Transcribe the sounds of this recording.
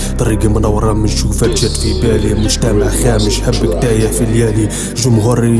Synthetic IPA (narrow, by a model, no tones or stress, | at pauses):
t̪ɑɾˤiɡimnæwːɾˤɑmənʃufæt̪jæt̪fibælimʊʒt̪æmaʕxæməʃħəbːək̚t̪æjæfiljæli | ʒʊmɦuɾi